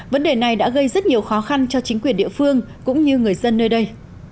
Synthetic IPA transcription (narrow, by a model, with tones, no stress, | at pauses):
və˨˦nɗe˨˩na˨˩jɗa̰ː˧˥ɣə˧jzə˦˥t̚ɲi˨˩əwxɔ˨˦xa˧nt͡ɕɔ˧t͡ɕi˨˦ŋ̟kwi˨˩ənɗḭ˧˨əfɨ˧əŋ | kʊ̰˧˥ŋ͡mɲɨ˧ŋɨ˨˩əjzə˧nːəː˧jɗə˧j